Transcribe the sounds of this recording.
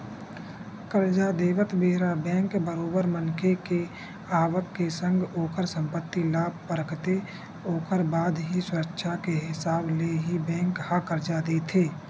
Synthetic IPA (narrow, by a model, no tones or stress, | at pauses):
kəɾd͡ʒad̪eːʋət̪beːɦɾabɛ̃ːŋkbəɾoːbəɾmənkʰeke | aːʋəkːesə̃ŋɡoːkʰəɾsə̃mpət̪ːilaːb̚ʱpəɾəkʰt̪e | oːkəɾbaːd̪ɦisʊɾəkʃʰakeɦɪsaːbleɦibɛ̃ːŋkhakəɾd͡ʒad̪eːt̪ʰeː